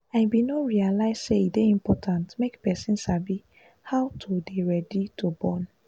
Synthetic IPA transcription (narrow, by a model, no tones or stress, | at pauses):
aɪbinɔɹialaɪsseideĩmpɔtʰãntmekpɛsĩnsabi | hawtʰudeɹɛditubɔn